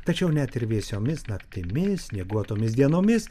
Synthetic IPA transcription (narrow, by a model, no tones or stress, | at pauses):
t̪ɐt͡ʃʲɛʊnʲɛt̪ɪɾʋʲiɛsʲoːmʲɪsnɐkt̪ʲɪmʲɪssʲnʲiɛɡuɔt̪oːmʲɪsd̪ʲiɛnoːmʲɪs